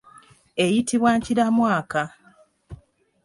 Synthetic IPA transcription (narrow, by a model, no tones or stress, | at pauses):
ejitiβwaːɲciɾamwaːka